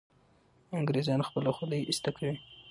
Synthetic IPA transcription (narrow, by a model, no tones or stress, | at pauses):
aŋɡɾezɑnxpəlaxʊləjɪst̪akʰawi